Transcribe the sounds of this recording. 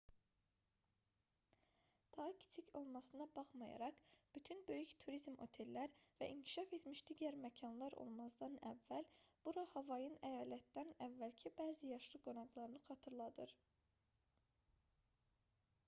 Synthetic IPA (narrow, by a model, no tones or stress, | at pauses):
d̪̥ɑɦɯcʰi̥t͡ʃʰicʰo̞lˠmɑsɯnɑbɑχmɑjɑ̰ɾɑqb̥yt̪ʰynbø̞jyçt̪ʰuɾizmo̞̰t̪ʰe̞lːæɾvæ̰ʔiɲcʰi̥ʃɑfe̞t̪miʃd̪̥iːɟæɾmæcʰɑnlˠɑɾʔo̞̰lˠmɑzd̪ɑnævːælb̥uɾɑhɑvɑjɯnæjɑːlæt̪d̪ænævːælcʰibæːzijɑʃlˠɯɡo̞nɑɡlˠɑɾɯnɯχɑt̪ʰɯɾlˠɑd̪ɯɾ